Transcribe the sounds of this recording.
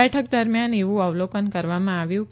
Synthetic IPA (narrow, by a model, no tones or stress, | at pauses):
ɛʈʰəkd̪əɾmjaneʋũəʋlokənkəɾʋamãaʋjũk